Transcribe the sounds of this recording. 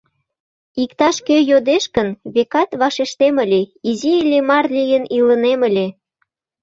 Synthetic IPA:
ikt̪ɑʃkøjod̪eʃkənβekɑt̪βɑʃeʃt̪eməlʲeiziəlʲemɑrlijəniləneməlʲe

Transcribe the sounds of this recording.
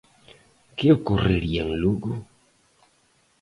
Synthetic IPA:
keokureɾiaŋluɡu

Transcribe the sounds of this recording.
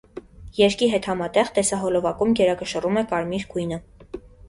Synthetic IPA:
jɛɾkiɦɛt̪hɑmɑt̪ɛʁt̪ɛsɑɦɔlɔvɑkumɡɛɾɑkəʃərumɛkɑɾmiɾkujnə

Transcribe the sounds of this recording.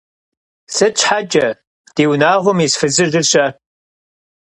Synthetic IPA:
sɨt͡ʃʰʼħad͡ʒʼɐ | d̥eːwnaːʁʷʊmiːsfɨzɨrdɨɕʼɐ

